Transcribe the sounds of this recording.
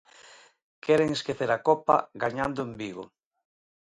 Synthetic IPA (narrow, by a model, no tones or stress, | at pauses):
kʰɛɾeŋeskeθeɾakopa̰ɡaɲand̪oembiɣo